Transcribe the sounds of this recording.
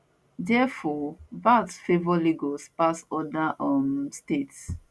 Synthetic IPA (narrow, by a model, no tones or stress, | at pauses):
dɛfɔvatfevɔliɡɔspasɔdaʔɔ̃nstets